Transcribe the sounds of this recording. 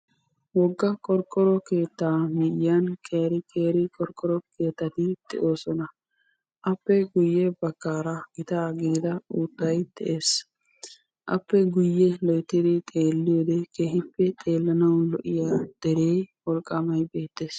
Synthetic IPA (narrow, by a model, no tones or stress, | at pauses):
wɔɡːɐkʼɔɾkʼːɔɾɔke̞ːt̪ːaːmɪjjɐnkʼeːɾɪkʼeːɾɪkʼɔɾkʼːɔɾɔkʰeːt̪ːɐt̪ɪd̪̥ɛ̰ʔo̞ːsɔnɐ | ʔɐpːɛɡʊjːɛbɐkːaːɾɐɡ̥ɪt̪aːɡiːd̪ɐuːd̪ːɐjt̪ɛʔeːs | ʔɐpːɛɡʊjːɛlɔjt̪ːɪd̪ɪt̪ʼe̞ːlːɪjoːd̪ɛkʰeːhɪpːɛt̪ʼe̞ːlːɐnɐwlɔʔɪjaːd̪̥ɛɾeːjwɔlkʼːɐmɐjbe̞ːt̪ːe̞ːs